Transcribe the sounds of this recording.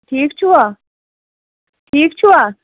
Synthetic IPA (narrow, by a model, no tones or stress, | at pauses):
ʈʰiːkt͡ɕʰua | ʈʰiːk̚t͡ʃʰua